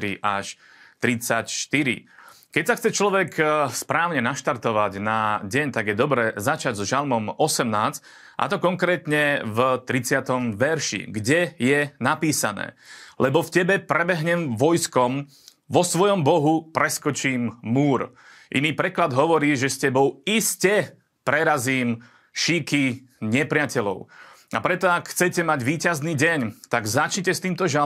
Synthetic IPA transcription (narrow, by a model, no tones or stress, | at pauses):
ɾiʔaʃ | t̪ɾit͡sacʃt̪iɾḭ | kɛcsaxt͡sɛt͡ʃlɔʋɛkspɾaːʊɲɛnaʃt̪aɾt̪ɔʋaɟnaɟɛɲt̪aɡjɛd̪ɔbɾɛːzat͡ʃaɟzɔʒalmɔmɔsɛmnaːt͡s | ʔa̰t̪ɔkɔŋkɾɛːt̪ɲɛvt̪ɾit͡sɪat̪ɔmʋɛɾʃḭɡɟɛjɛnapiːsanɛ̰ːlɛbɔfcɛbɛpɾɛbɛɦɲɛmʋɔjskɔm | ʋɔsʋɔjɔmbɔɦupɾɛskɔt͡ʃiːmːuːɾ | ʔḭniːpɾɛklad̪ɦɔʋɔɾiːʒɛscɛbɔʊiscɛ | pɾɛɾaziːm | ʃiːki | ɲɛpɾɪacɛlɔ̰ʊapɾɛt̪ɔakxt͡sɛcɛmaɟʋiːcazniːɟɛɲt̪aɡzat͡ʃɲcɛst̪iːmt̪ɔʒa